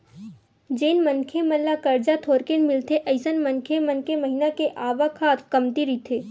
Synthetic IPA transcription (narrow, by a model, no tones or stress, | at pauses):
d͡ʒeːnmənkʰemɐlːakɐɾd͡ʒat̪ʰoːɾkenmɪlt̪ʰeʔɐɪsənmɐnkʰemɐnkʰemɐɦinakeʔaːʋakʰaːt̪ʰkɐmt̪iɾit̪ʰeː